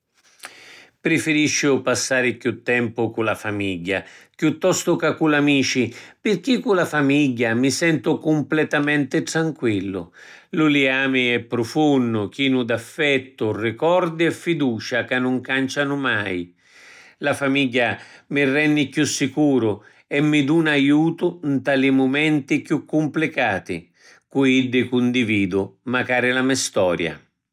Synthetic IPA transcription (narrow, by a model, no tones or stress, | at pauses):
pɾɪfɪɾiʃːʊpasːaːɾɪkjut̪ːɛmpʊkulafamiʎːa̰kjut̪ːɔst̪ʊkakːulamiːt͡ʃipɪrk̟ikːulafamiʎːamisɛnt̪ʊkʊmplɛt̪amɛnt̪ɪt̪ɾaŋkwilːʊ̰ | luliaːmɪɛpːɾʊfunːʊk̟iːnʊd̪afːɛt̪ːʊrɪkɔɾd̪iɛfːid̪uːt͡ʃakanːʊŋkant͡ʃanʊmaj | lafamiʎːamɪrːɛnːɪkjusːikuːɾʊ | ɛmːɪd̪unajuːt̪ʊnt̪alimʊmɛnt̪ikjukːʊmplɪkaːt̪ɪ̰ | kuid̪ːɪkʊnd̪iviːd̪ʊmakaːɾɪlamɛst̪ɔ̰ːɾja̰